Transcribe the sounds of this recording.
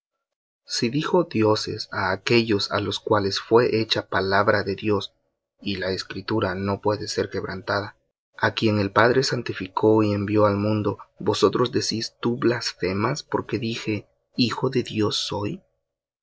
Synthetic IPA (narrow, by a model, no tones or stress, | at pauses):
siðixo̞ðjo̞se̞̰saːke̞ʝo̞sa̰lo̞skwale̞sfwe̞ʔet͡ʃapalaβɾaðe̞ðjo̞s | ilaeskɾit̪uɾano̞pwe̞ðe̞se̞ɾke̞βɾant̪aða | akje̞ŋe̞lpaðɾe̞sant̪ifikʰo̞iembjo̞almũnd̪o̞bo̞so̞t̪ɾo̞zd̪e̞sist̪uβlasfe̞maspo̞ɾke̞ðixe̞ | ixo̞ðe̞ðjo̞sːo̞j